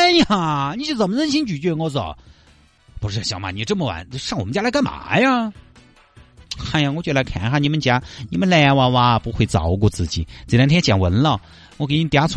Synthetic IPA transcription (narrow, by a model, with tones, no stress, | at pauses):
a˧˩ni˨˧˥y˥˩t͡sə˨˩nmə˦nə˥˧nɕ̬i˥nt͡ɕy˨˩t͡ɕɥɛ˥˩˧ŋɔ˧˩t͡sɑ̰˨˩˦ | pu˧˥ʂɻ̩˥˩˨ɕjɑ˨˩ʊma˧˩ni˨˩˧ʈ͡ʂɤ˥˩mə˩wa̰˨˩˦n˧ʂɑ˥˩ŋwɔ˨mə˦nt͡ɕja˥lka˥ma̰˨˩˦ja˥˧ | xxa˥˩ja˨˧ŋwɔ˧˥t͡ɕɥɛ˥˩la˧˥ɪkʰa̰˨˧˥xa˥˧ni˨˩mə˧nt͡ɕja˥ni˧˥mə˧nla˧˩a˧wa˧wa˧pu˧˥xwe˥˩ɪt͡sɑ̰˨˩ʊ˧k̬wɔ˥˧t͡sɹ̩˥˩t͡ɕi˨˩˦t͡s̩˨˩lt̪ʰɛ˥nt͡ɕjɑ˨˩nwə˧˥nlə˥˧˩ | ŋɔ˧˥ke˧˩˧t̪ja˧˥t͡sʰ